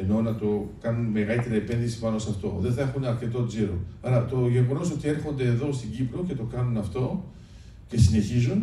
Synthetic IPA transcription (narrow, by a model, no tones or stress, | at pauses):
eno̞nɐt̪o̞kɐnunme̞ɣɐlit̪e̞ɾiepe̞nðisi̥pɐno̞sɐft̪o̞̰ðe̞nθɐe̞xunɐɾce̞t̪o̞d͡ziɾo̰ɐɾɐt̪o̞ʝeɣo̞no̞so̞t̪ie̞ɾxo̞nd̪e̞ːðo̞st̪iɟipɾo̞ce̞t̪o̞kɐnunɐft̪o̞ | ce̞sine̞çizun